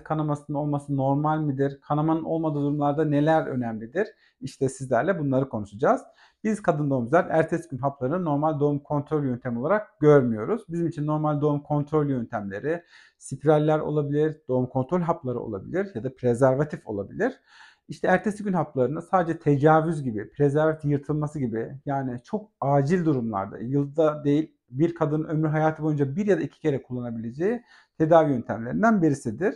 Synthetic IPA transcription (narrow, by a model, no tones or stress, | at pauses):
kʰanamasɯnɯolˠmasɯno̞ɾmalʲmɯd̪iɾkʰanamanɯnʔo̞lˠmad̪ɯːd̪uɾumlˠaɾd̪ane̞lʲæɾø̰næmlʲid̪iɾ̥ | iʃt̪ʰɛsizlʲæɾlʲɛbunlˠaɾɯkʰo̞nuʃud͡ʒaːz̥ | b̥iz̥kʰad̪ɯnd̪o̞umzʲæɾæɾt̪ʰesiɟynɦaplˠaɾɯnɯno̞ɾmalʲd̪o̞umkʰo̞nt̪ʰɾo̞lʲjø̞nt̪ʰemio̞lˠaɾak̚ɟ̥øɾmyjo̞ɾuz̥bizimit͡ʃʰinːo̞ɾmalʲd̪o̞umkʰo̞nt̪ʰɾolʲjønt̪ʰæmlʲe̞̰ɾɪ | sipʰɾalʲːæɾo̞̰lˠabilʲiɾd̪o̞umkʰo̞nt̪ʰɾolʲɦaplˠaɾɯo̞̰lˠa̰bḭlʲiɾjad̪apɾezæɾvat̪ʰifo̞̰lˠa̰bilʲiɾ̥ | iʃt̪ʰɛæɾt̪ʰe̞siɟynhaplˠaɾɯnasaːd̪ed͡ʒɛt̪ʰe̞d͡ʒaːvyzɟibipʰɾezæɾvat̪ijɯɾt̪ʰɯlˠmasɯɟibɪjaːnɪt͡ʃʰo̞kaːd͡ʒilʲd̪uɾumlˠa̰ɾd̪a̰jɯlˠd̪ad̪ejilʲ | biɾkʰad̪ɯnɯømɾyɦajaːt̪ʰɯbo̞jund͡ʒabiɾjad̪aicʰi̥cʰe̞ɾɛkʰulˠːanabilʲe̞d͡ʒeji | t̪ʰe̞d̪aːvijønt̪ʰæmlʲe̞ɾind̪ænbiɾisid̪iɾ̥